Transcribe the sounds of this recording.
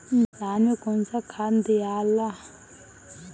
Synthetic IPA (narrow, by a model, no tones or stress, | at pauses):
danekɔnsakʰand̪ijala